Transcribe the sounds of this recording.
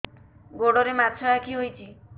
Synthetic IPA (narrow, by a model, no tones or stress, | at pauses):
ɡoɽoɾematʰɔakʰiɦojt͡ʃʰi